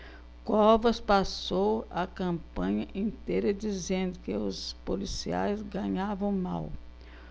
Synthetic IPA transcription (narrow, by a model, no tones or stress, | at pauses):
kɔvɐspasowɐkɐ̃mpɐ̃ɲɐʔĩnt̪ejɾɐd͡ʒizẽnd̪ʊkɪʊspolisia̰jzɡɐ̃ɲavɐ̃w̃ma̰w